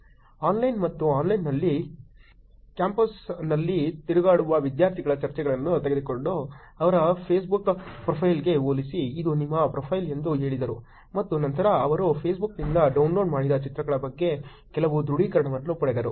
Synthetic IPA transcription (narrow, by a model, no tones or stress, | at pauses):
aːnlɐjnmɐt̪ːuaːnlɐjnːɐlːi | kjaːmpɐsnɐlːit̪iɾuɡaːɽuʋɐʋid̪jaːɾt̪ʰiɡɐɭɐt͡ʃɐɾt͡ʃɛɡɐɭɐnːut̪eɡed̪uko̞ɳɖu | ɐʋɐɾɐpʰeːs̬bukpɾɐpʰɐjlɡe̞oːlisiːd̪unimːɐpɾopʰɐjlend̪uɦe̞ːɭid̪ɐɾu | mɐt̪ːunɐnt̪ɐɾɐːʋɐɾupʰeːs̬buknind̪ɐɖɐwnlo̞ːɖmaːɽid̪ɐt͡ʃit̪ɾɐɡɐɭɐbɐɡːe̞ | kɛlɐʋud̪ɾuɽiːkɐɾɐɳɐʋɐnlupɐɽed̪ɐɾu